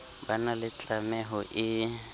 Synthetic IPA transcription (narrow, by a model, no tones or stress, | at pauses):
banalɪt͡ɬʼamɛɦɔʔɪ